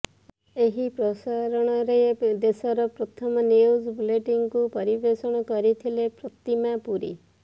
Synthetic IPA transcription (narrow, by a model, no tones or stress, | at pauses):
eɦipɾɔsaɾɔɽ̃ɔɾed̪esɔɾɔpɾɔt̪ʰɔmɔniozbuleʈiŋkupɔɾibesɔɽ̃ɔkɔɾit̪ʰilepɾɔt̪imapuɾḭ